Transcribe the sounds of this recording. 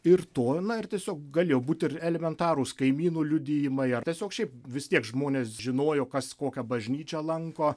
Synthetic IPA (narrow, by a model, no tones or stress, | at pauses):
ɪrt̪oːnɐɪrt̪ʲiɛsʲoːk̚ɡɐlʲeːjoːbuːt̪ɪrɛlʲɛmʲɛnt̪ɑːɾʊːskɐɪmʲiːnuːlʲʊd̪ʲeːjɪmɐɪɐrt̪ʲiɛsʲoːkʃʲɛɪpʋʲɪst̪ʲiɛkʒmoːnʲeːsʒʲɪnoːjoːkɐskoːkʲɛbɐʒʲnʲiːt͡ʃʲɛlˠɐŋkoː